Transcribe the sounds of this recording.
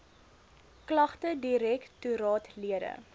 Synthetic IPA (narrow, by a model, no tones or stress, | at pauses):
klɐχtədiɾɛktuɾɑːtliədə̰